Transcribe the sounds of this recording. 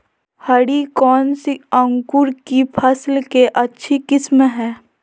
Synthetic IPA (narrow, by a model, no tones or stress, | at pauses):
hɐɽikɔːnsiɐ̃ŋkuɾkipʰɐslkeʔɐtːʃʰikɪsmɦɛ̃ː